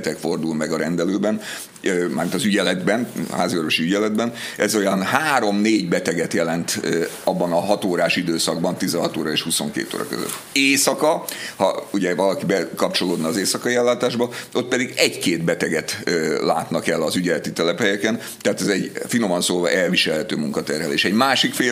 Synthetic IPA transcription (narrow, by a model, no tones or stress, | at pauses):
t̪ɛkfo̞rd̪ulmɛɡɒɾɛnd̪ɛløːbɛn | øma̰ːrmint̪ɒzyɟɛlɛd̪bɛnhaːziorvoʃiyɟɛlɛd̪bɛnɛzo̞jɒnhaːɾo̞mneːɟbɛt̪ɛɡɛt̪jɛlɛnt̪ɒbːɒnɒɦɒt̪oːɾaːʃid̪øːsɒɡbɒnt̪izɛɦɒt̪oːɾɒeːʃhuso̞̰ŋkḛːt̪o̰ːɾɒ̰kø̰zø̰t̪ː | eːsɒkɒhɒ̰uɟɛvɒlɒkibɛkɒpt͡ʃo̞loːd̪nɒːzeːsɒkɒiɛlːaːt̪aːʒbɒo̞t̪̚pɛd̪iɡɛɟkeːt̪bɛt̪ɛɡɛt̪ːla̰ːt̪nɒkɛlːɒzyɟɛlɛt̪it̪ɛlɛpɦɛjɛkɛn | t̪ɛɦaːt̪ɛzɛɟfino̞mɒnsoːvɒ̰ʔɛlviʃɛlɦɛt̪øːmuŋkɒt̪ɛrɦɛleːʃɛɟmaːʃikfeː